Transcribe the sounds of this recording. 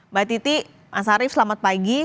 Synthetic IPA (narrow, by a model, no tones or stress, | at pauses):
bat̪it̪i | mʔasaɾɪfslamat̪̚paɡi